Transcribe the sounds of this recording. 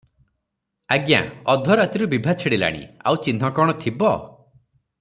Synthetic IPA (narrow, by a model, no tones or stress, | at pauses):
aɡja̰ɔd̪ʱɔɾat̪iɾubibʱat͡ʃʰeɽila̰ɽ̃ḭa̰wt͡ʃinɦɔkɔɽ̃ɔt̪ʰibɔ